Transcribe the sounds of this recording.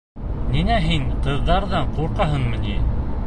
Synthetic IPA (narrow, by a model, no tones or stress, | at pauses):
ninæɦiɴqɤ̆ðːɑɾðɑɴquɾqɑɦɤɴmɤ̆ni